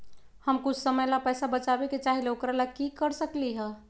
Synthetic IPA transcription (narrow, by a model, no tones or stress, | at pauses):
həmkʊt͡ʃʰsəməjlapɛsabət͡ʃabeket͡ʃaɦileokɾalakikəɾsəkliɦɛ̃